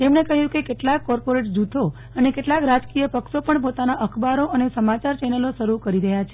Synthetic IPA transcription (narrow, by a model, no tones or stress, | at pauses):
t̪emnekəɦjũkekeʈlakːɔɾpoɾeʈd͡ʒut̪ʰo | ənekeʈlakɾad͡ʒkijəpəkʃopəɳpot̪anaʔəkʰbaɾoʔənesəmat͡ʃaɾt͡ʃɛnəloʃəɾukəɾiɾəɦjat͡ʃʰe